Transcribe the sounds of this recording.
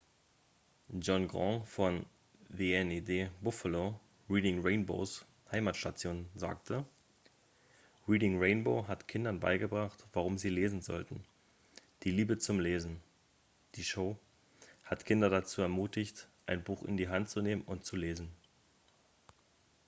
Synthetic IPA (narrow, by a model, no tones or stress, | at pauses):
d͡ʒɔnɡʁɔ̃ŋfɔn | veːɛnedeːbʊfəlo | ʁiːdɪŋʁeɪnbo̰ːs | haɪmaːtʃtat͡sjoːnza̰ːktʰə | ʁiːdɪŋʁeɪnboːɦatkʰɪndɐnba̰ɪɡəbʁaχtv̥aʁ̞ʊmziːleːzn̩zɔ̰ltn̩ | d̥iːliːbət͡sʊmleːzn̩ | d̥iːʃoʊ | hatkʰɪndɐdat͡suːɛɐmuːtɪçtʔaɪnbuːχɪ̰ndiːɦantt͡suneːməmʊntt͡suleːzn̩